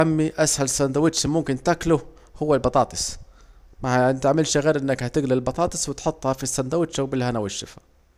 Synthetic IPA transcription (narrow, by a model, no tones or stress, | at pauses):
amːiʔashalsːænd̪awɪt̪ːʃamʊmkɪnt̪aklʊ | hʊwːalbɑt̪ˤɑːt̪ˤɨsˤ | maaʕɪnt̪aʕmɪlʃaɣiːɾʔɪnːækhæt̪ɪɡlɪlbɑt̪ˤɑːt̪ˤɨsˤwɪt̪ħot̪ˤːhɑfisːand̪awɪt̪ːʃawbɪlːhænawaʃːɪfḁ